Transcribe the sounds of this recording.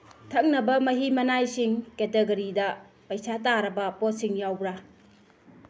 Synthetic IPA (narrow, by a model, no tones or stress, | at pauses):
tʰɐk̚nɐbɐmɐɦimɐnajsiŋketeɡɐɾidɐ | pajsataɾɐbɐpɔt̚siŋjawbɾa